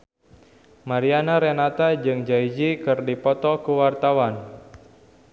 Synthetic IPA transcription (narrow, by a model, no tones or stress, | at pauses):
maɾianaɾenat̪ad͡ʒɨŋd͡ʒaid͡ʒikɨrdipɔt̪ɔkuwart̪awan